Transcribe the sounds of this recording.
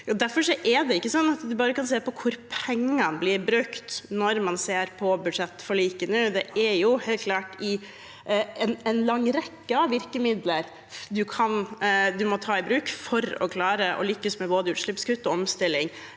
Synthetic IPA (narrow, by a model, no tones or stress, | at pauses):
jɑːd̪æɾfɔʂɔʔɛd̪ɛɪkːəsɔnːɑt̪d̪ʉbɑːɾəkɑnseːpɔkʰʊɾpʰɛŋːɑnblɪɾbɾʉkt̪nɔɾmɑnseːɾpʰɔbʉd̪ʂɛt̪ːfɔɭiːkənəd̪ɛæɾjʊheːlkʰlɑːʈɪ | ɛnɛnlɑŋːɾɛkːəɑʋɪɾkəmɪd̪ləɾ | d̪ʉkʰɑnd̪ʉmɔt̪ʰɑːɪbɾʉːkfɔɾɔ̰kʰlɑːɾəʔɔ̰lʏkːəsmɛboːd̪əʉːʂɭɪpskʉt̪ːɔɔmst̪ɪlːɪŋ